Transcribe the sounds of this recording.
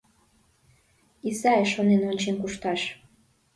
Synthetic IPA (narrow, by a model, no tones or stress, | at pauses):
isɑeʃonenonʲt͡ɕenkuʃt̪ɑʃ